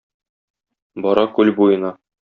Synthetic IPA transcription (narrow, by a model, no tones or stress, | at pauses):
bɒɾɑkʉlbujɤ̆nɑ